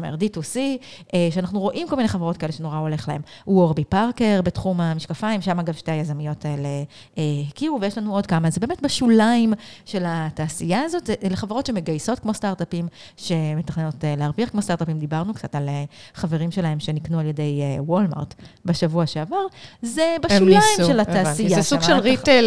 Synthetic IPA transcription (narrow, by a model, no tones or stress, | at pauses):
mḛʁd̪itusieʃeanaχnuʁo̞ʔimkomineχaveʁo̞t̚kaeleʃeno̞ʁao̞le̞χlahe̞muwoʁbipaʁke̞ʁbetχumamiʃkafaimʃamaɡavʃte̞ajazamijo̞taele | hikiuvejeʃlanuo̞dkamazebeːmetbaʃulaimʃe̞lataːsijaːzo̞tleχaveʁo̞tʃe̞me̞ɡajso̞tkmo̞staʁtapim | ʃe̞metaχneno̞teleaʁviaχkmo̞staʁt̪apimd̪ibaʁnukt͡sataleχaveʁimʃe̞lae̞mʃe̞niknualje̞de̞jwolma̰ʁtbeʃavuaʃeavaʁzebaʃulaimʃelataːsijaesuɡʃelʁiel